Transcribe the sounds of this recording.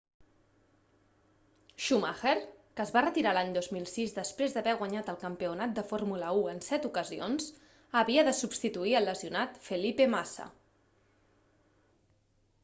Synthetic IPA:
ʃumaxeɾkəːzβarət̪iɾalaɲd̪ozmilˠsizd̪əspɾezd̪əβɛɣ̞waɲat̪əlˠkəmpiunat̪̚d̪əfoɾmuləuənsɛt̪ukəzionz | əβiəðəsubst̪it̪uiəlːəziunat̪fəlipemasa̰

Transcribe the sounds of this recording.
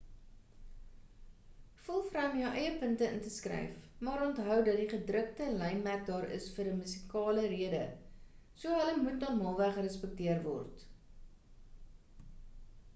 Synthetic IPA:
fulˠfrɐmjœwʔɛjəpəntəəntəskrɛ̰jfmɑːɾɔntɦœwdɐt̚diχədrək̚təlɛjnmæt̚dɑːɾə̰sfəɾəmysi̥kɑːləɾiədə̰ | suəɦələmutnɑmɑːlˠvæχəɾəspək̚tiərvɔ̰rt

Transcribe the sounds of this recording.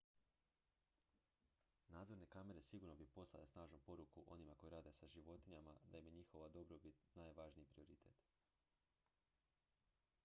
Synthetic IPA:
naːd̪zo̞ɾnekame̞ɾe̞siɡuɾno̞bipo̞slˠa̰le̞snaːʒnupo̞ɾukuʔo̞nimako̞jɾaːd̪e̞saʒiʋo̞t̪iɲamad̪aimjeɲixo̞ʋad̪o̞bɾobit̪naːjʋaʒniipɾio̞ɾit̪ʰḛt̪

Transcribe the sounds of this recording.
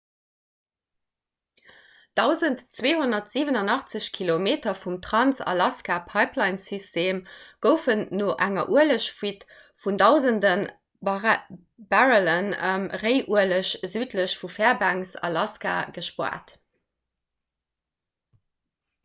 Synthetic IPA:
d̥ɑʊzəntt͡sweːɦunɐtz̥iːvənɑnɑχt͡səɕkʰilomeːtɐfumtχɑnsɑ̰lɑskaːpʰɑɪplɑɪnsistʰeːmɡ̥əʊfənːoːʔæŋɐ̰ʔuələɕfit | fundɑʊzəndən | b̥aʁələnə̰mʁəɪʔuələɕzyːtləɕfufæːɐbæŋsɑ̰lɑska̰ːɡəʃpwa̰ːt

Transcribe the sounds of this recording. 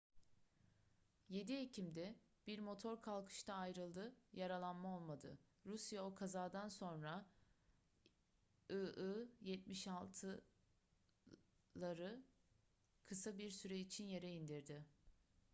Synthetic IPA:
je̞d̪iecʰimd̪ɛ | b̥iɾmo̞t̪ʰo̞ɾkʰalˠkʰɯ̥ʃt̪ʰaːjɾɯlˠd̪ɯjaɾalˠanmao̞lˠmad̪ɯ̰ɾusjao̞kʰazaːd̪anso̞nɾa | ɯʔɯjɛt̪̚miʃalˠt̪ʰɯ | lˠaɾɯ | kʰɯsabiɾsyɾɛit͡ʃʰinje̞ɾɛind̪iɾd̪ɪ

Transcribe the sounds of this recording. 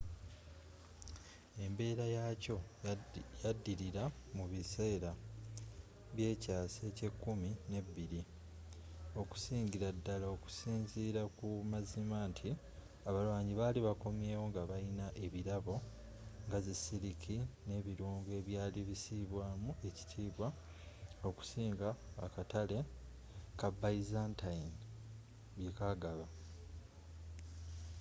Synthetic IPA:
e̞mbe̞ːɾajaːco̞ | jadːiɾiɾamuβise̞ːɾa | βje̞ːcaːse̞ːce̞kːumine̞bːiɾi | o̞ku̥siːɲɟiɾadːalaoku̥siːnziːɾakumazimantʰi | aβalwaːɲiβaːliβako̞mje̞ːwo̞ŋɡaβainaʔe̞βiɾaβo̞ | ŋɡazisiɾikʰine̞βiɾuːŋɡe̞βjaːliβisiβwaːmue̞ci̥tʰiːβwa | o̞ku̥siːŋɡa̰ːkatale̞ | kabaizantʰain | βjekaɡaβa

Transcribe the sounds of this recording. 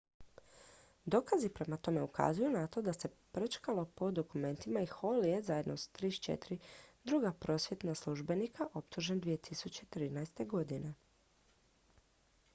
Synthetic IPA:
d̪o̞ːkazipɾe̞mat̪o̞me̞uka̰zujunat̪o̞d̪ase̞pɾt͡ʃkalo̞po̞d̪o̞kume̞nt̪imaixo̞lije̞zaje̞d̪nosḁt̪ɾiʃt͡ʃḛt̪iɾid̪ɾuːɡapɾo̞ːsʋje̞t̪naslˠuʒbe̞nikʰaʔo̞pt̪uʒe̞nd̪ʋije̞t̪ʰisut͡ɕet̪ɾiːnajst̪e̞ɡo̞d̪ine̞

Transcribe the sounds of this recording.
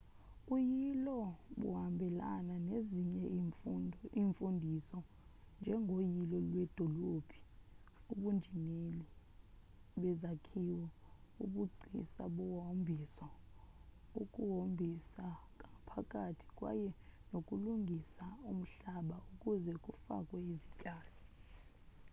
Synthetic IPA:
kʼujilɔɓṵɦambʱɛla̰naneziɲɛ | iɱfundʱisɔ | nd͡ʒʱɛŋʱojilɔlwɛd̥ʱɔlob̥ʱi̥ | uɓund͡ʒʱineli | ɓɛzakʰiwɛṵɓuɡ͡ǀʱḭsa̰ɓɔwɦombʱisɔ | ukʼuɦombʱisak̬ʼaŋapʰakʼatʰi̥kʼwa̰jɛnokʼuluŋɡʱisaum̩ɬaɓaukʼuzɛk̬ʼufa̰kʼwɛizicʼaːlɔ

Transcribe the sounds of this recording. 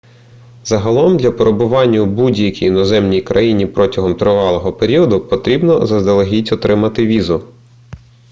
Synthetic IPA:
zɐɦɐlˠɔmd̪ʲlʲɐpɔɾebʊʋɑnʲːɐubudʲjɐkʲijinɔzɛmnʲijkɾʔɐjinʲipɾɔtʲɐɦɔmt̪ɾɪʋɑlˠɔɦɔpeɾʲiɔd̪ʊpɔt̪ɾʲibnɔzɐzd̪ɐlˠɐɦʲitʲɔt̪ɾɪmɐt̪ɪʋʲizʊ

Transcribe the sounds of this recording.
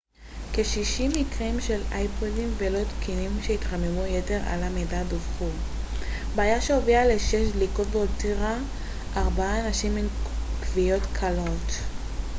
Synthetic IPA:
keʃiʃimikʁimʃe̞lajpodimvelo̞tkinimʃeitʁamemujete̞ʁa̰lamedadofχu | beajaʃeoviale̞ʃe̞ʃ̬dlikotbeotiʁa | ʔːʁbaaːnaʃimenkvijo̞tkʰalo̞t

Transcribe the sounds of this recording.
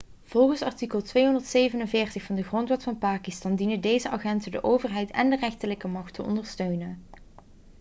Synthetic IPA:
v̥ɔlˠχənsɑɹtikəlˠtʋejɦɔndəɹtsejvənənvɪːrtəxfɑndəχrɔntʋɛtfɑnpaːkistɑndinədejzəɑχɛntədə̰ʔowvərɦɛjtɛ̰ndərɛxtələkəmɑxtʰəɔ̰ndəɹstøɥnən

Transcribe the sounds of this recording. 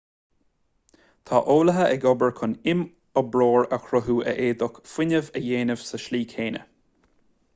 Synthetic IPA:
t̪ʰa̰ːʔoːləɦəʔɛɡɔbəɹkʰʊnɪm | əbɹoːɹəxɾʊɦuːʔə̰ʔeːd̪ʊkfwɪnəvəjeːnəv̥səʃliːkʰeːnə̰

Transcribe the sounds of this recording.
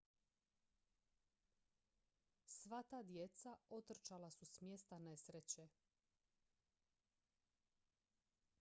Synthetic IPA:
sʋat̪aːd̪jet̪saot̪r̩t͡ʃalasusmjest̪anesɾet͡ɕe

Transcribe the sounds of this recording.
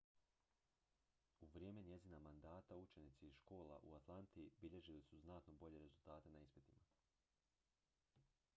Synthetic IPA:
uʋɾjeːme̞ɲje̞zinamand̪aːt̪aut͡ʃe̞nit̪siizʃko̞ːla̰ʔṵat̪lˠant̪iibiʎe̞ʒilisuznat̪nobo̞ʎe̞ɾe̞zulˠt̪aːt̪e̞naispit̪ima

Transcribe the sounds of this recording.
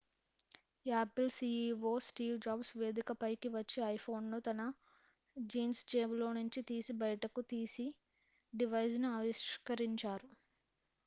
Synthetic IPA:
aːplsiːiʋoːsʈiːʋd͡ʒaːbsʋe̞ːd̪ikɐpɐjkiʋɐt͡ʃːeːɐjpʰo̞ːnnut̪ɐnɐ | d͡ʒiːnsd͡ʒeːmlo̞ːnuɲt͡ʃit̪iːsibɐjɐʈɐkut̪iːsi | ɖiʋɐjsnuɐʋiʃkɐɾiɲt͡ʃaːɾu

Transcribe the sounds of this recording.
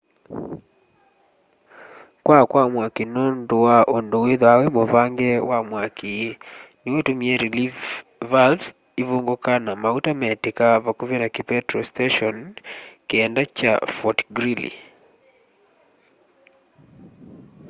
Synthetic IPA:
kwakwamwakinondowaʔondoweðawɛmoβaŋɡɛwamwakʰinewetomiɛɾilifvals | iβoŋɡokanamautamɛtekaβakuβenakipɛtɾostaʃɔnkɛndat͡ʃa̰fɔtɡɾilḭ

